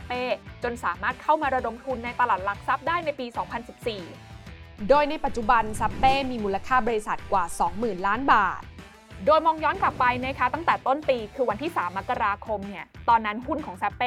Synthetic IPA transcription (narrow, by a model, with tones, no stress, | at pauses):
pːeː˥˩t͡ɕo˧nsaː˩˦maː˥˩t̪̚kʰa˥˩wmaː˧ɾa˧do˨˩mt̪ʰu˧nːa˧jt̪a˧laː˨˩t̪̚la˨˩k̚sa˦˥p̚daː˥˩jna˧jpiː˧sɔː˩˦ŋpʰa˧nsi˨˩p̚siː˨˩ | doː˧jna˧jpa˨˩t̪̚t͡ɕu˨˩ba˧nsa˦˥pːeː˥˩miː˧muː˧la˧kʰaː˥˩bɔː˧ɾi˧sa˨˩t̪̚kwaː˨˩sɔː˩˦ŋmɯː˨˩nlaː˦˥nbaː˨˩t̪̚ | doː˧jmɔː˧ŋjɔː˦˥nka˨˩pːa˧jna˦˥kʰa˦˥t̪a˥˩ŋt̪ɛː˨˩t̪o˥˩npiː˧kʰɯː˧wa˧nt̪ʰiː˥˩saː˩˦mːa˦˥kːa˧ɾaː˧kʰo˧mni˥˩ɐt̪ɔː˧nːa˦˥nhu˥˩nkʰɔː˩˦ŋsa˦˥pːeː˥˩